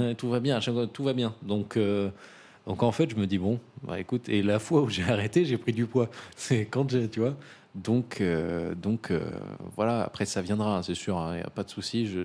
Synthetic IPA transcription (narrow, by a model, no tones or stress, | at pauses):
ɛt̪uvabjɛ̃ʒɛ̃kat̪uvabjɛ̃d̪ɔ̃kø | d̪ɔ̃kɑ̃fɛt̪ʒəməd̪ibɔ̃ba̰ekut̪ʰelafwauʒeaʁɛt̪eʒepχid̪ypwasɛkɑ̃ʒet̪yvwa | d̪ɔ̃kʰød̪ɔ̃kʰø̰vwalaa̰pχɛsavjɛ̃d̪ʁaɛ̃sɛsyʁɛ̃ja̰pad̪əsusiʒə